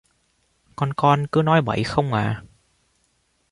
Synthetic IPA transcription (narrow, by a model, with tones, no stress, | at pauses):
kɔ˧nkɔ˧nkɨ˨˦nɔ˨˦jɓə̰˧˩˨jxə˧wŋ͡mʔaː˨˩